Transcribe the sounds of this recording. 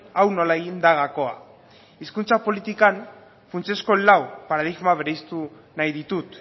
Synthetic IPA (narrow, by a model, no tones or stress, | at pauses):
awno̞laeɣind̪aɣako̞a | iskunt͡sapo̞lit̪ikan | funt͡se̞sko̞lawpaɾaðiɣmaβeɾejst̪u | najðit̪ut̪